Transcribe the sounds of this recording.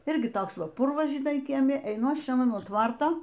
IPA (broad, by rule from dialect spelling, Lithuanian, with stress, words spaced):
ˈɪrʲɡʲɪ ˈtoːks ˈʋɐ ˈpʊrʋɐs ʒʲɪˈnɐɪ kʲiɛˈmʲɪ ɛɪˈnʊ ˈɐʃ ˈt͡ʃʲɛ nuɔ ˈtʋɐrtoː